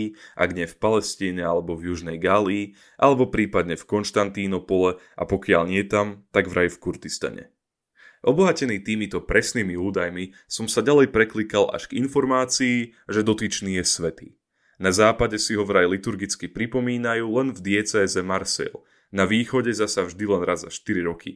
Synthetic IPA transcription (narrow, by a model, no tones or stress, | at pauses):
ʔa̰ɡɲɪɛfpalɛst̪iːɲɛalɛbɔvjuʒnɛjɡaliː | ʔalɛbɔpɾiːpad̪ɲɛfkɔnʃt̪ant̪iːnɔpɔlɛʔa̰pɔkɪaʎɲɪɛt̪amt̪aɡʋɾʔajfkuɾd̪ist̪a̰ɲɛ̰ | ʔɔbɔɦacɛniːt̪iːmit̪ɔpɾɛsniːmiuːd̪ajmi | sɔmsaɟalɛjpɾɛkliːkalʔa̰ʒɡinfɔɾmaːt͡siːʒɛd̪ɔt̪it͡ʃniːjɛsʋɛt̪ḭː | nazaːpaɟɛsiɦɔʋɾajlit̪uɾɡit͡skipɾipɔmiːnajuːlɛnvd̪ɪɛt͡sɛːzɛmaɾsɛ̰l | naʋiːxɔɟɛzasavʒd̪ilɛnɾazaʃt̪iɾiɾɔkʰi